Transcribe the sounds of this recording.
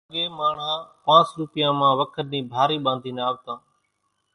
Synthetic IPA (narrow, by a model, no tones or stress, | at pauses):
əɠẽːmaːɳ̤ãːpãːsɾuːpɪjãːmãːʋəkʰəɾnĩːbʱaːɾiːɓãːnd̪ʱiːnaːʋt̪ãː